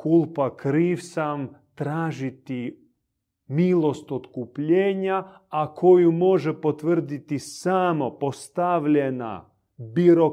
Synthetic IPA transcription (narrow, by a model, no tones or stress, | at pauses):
kulˠpakɾiːʋsamt̪ɾaːʒit̪i | milˠost̪ot̪kupʎeːɲaː | kʰo̞jumo̞ʒepot̪ʋr̩d̪it̪isamo̞po̞st̪aʋʎena̰ | biɾo